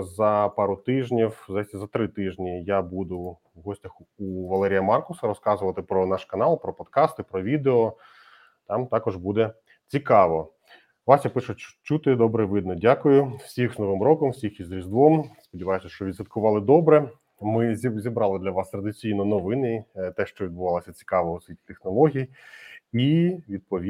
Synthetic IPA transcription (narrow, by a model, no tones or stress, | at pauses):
zɐpɑɾʊt̪ɪʒnʲiwzasʲɐzɐt̪ɾɪt̪ɪʒnʲijabud̪ʊ | ʋɦɔsʲtʲɐxuʋɐlˠɛɾʲijɐmɑrkʊsɐɾɔskɑzʊʋɐt̪ɪpɾɔnɑʃkɐnɑlˠpɾɔpɔt̪kɑst̪ɪpɾɔʋʲid̪eɔ | t̪ɑmt̪ɑkɔʒbud̪ɛ | t͡sʲikɑʋɔ | ʋɑsjapɪʃʊt͡ʃut̪ɪd̪ɔbɾɛʋɪd̪̚nɔdʲakʊjʊwsʲixznɔʋɪmɾɔkɔmwsʲixizɾʲizd̪ʋɔmspɔdʲiʋɑjʊsʲɐʃt͡ʃɔʋʲid̪zsʋɐt̪kʊʋɑlˠɪd̪ɔbɾɛ | mɪzʲizʲibɾɑlˠɪd̪lʲɐʋɑst̪ɾɐd̪ɪt͡sʲijnɔnɔʋɪnɪt̪ɛʃt͡ʃɔʋʲid̪bʊʋɑlˠɐsʲɐt͡sʲi̥kɑʋɔʊsʲʋʲitʲi̥t̪exnɔlˠɔɦʲij | iʋʲid̪̚pɔʋʲi